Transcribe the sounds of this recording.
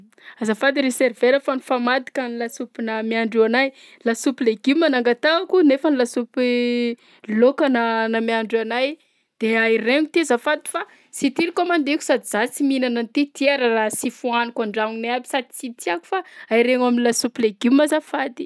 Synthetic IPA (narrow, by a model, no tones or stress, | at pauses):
azafad̪iɾeseɾveɾəfanifamad̪i̥kanilasupinamiaɳɖ͡ʐuanaj | lasupileɡimanaŋɡat̪akunefənilasupi | lokananamiaɳɖ͡ʐanaj | d̪̥eaireŋut̪iazafad̪i̥fa | sit̪ilikamand̪ekʲu̥sad̪iz̥at͡siminananit̪it̪iaɾarasifuanikaɳɖ͡ʐaŋneabi̥sad̪i̥t͡sit̪iaku̥faaiɾeŋaminilasupileɡimazafad̪i̥